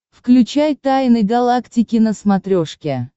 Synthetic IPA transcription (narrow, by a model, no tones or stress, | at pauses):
fklʲʉt͡ɕajt̪ajnəjɡɐlˠaktʲɪkʲɪnəsmɐt̪ɾʲoʂkʲe